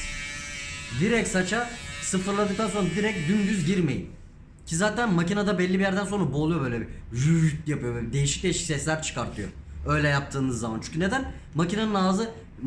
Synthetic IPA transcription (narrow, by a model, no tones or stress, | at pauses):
d̪iɾɛcsat͡ʃʰasɯfɯɾlˠad̪ɯk̚t̪ʰanso̞nɾad̪iɾɛc̚d̪ynd̪yzɟiɾme̞̰jḭm | cʰizaːt̪ʰænmacinad̪abɛlʲːibijæɾd̪ænso̞nɾaboːlˠujo̞bø̞jlʲɛbiɾyyt̪japɯjoɛid̪e̞jiʃi̥c̚d̪ʲeiʃi̥csɛslʲæɾt͡ʃʰɯ̥kaɾt̪ʰɯjo̰ | ø̞jlʲɛjap̚t̪ʰɯːnɯzːamant͡ʃʰy̥cʰyne̞d̪æn | macinanɯnaːzɯ